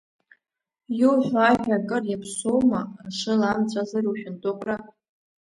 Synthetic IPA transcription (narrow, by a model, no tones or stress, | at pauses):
juwħʷaʒʲᶣakʼɨrjapʰsowmaʂɨlamt͡sʷʼazaruwʃʲᶣɪntʼʊqʷʼra